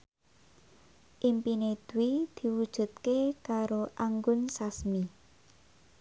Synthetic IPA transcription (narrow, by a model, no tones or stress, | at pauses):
ʔimpined̪̥uwid̪̥i̤wud̥ʒ̥ṳt̪̚kekaɾoʔaŋɡʊnsasmi